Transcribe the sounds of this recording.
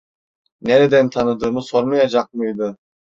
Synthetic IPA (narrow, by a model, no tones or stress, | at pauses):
neɾɛd̪ɛnt̪ʰanɯd̪ɯːmɯso̞ɾmajad͡ʒaq̚mɯjd̪ɯ